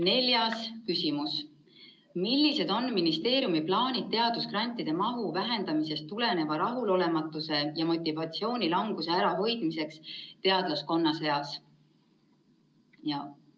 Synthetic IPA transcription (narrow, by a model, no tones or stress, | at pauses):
ne̞lʲjɑskysimus | milːise̞d̪̥o̞nminist̪e̞ːɾjumiplɑːnʲid̪̚t̪ːe̞ɑd̪̥usɡ̥rɑnʲt̪ːˑid̪̥e̞mɑɦuvæɦe̞nd̪̥ɑmise̞st̪ːule̞ne̞vɑɾɑɦulo̞le̞mɑt̪ːˑuse̞jɑmo̞t̪ʲːˑivɑt̪sio̞ːnʲilɑŋɡ̥use̞æɾɑɦo̞jd̪̥mise̞kst̪e̞ɑd̪̥losko̞nːɑse̞jɑs | jɑ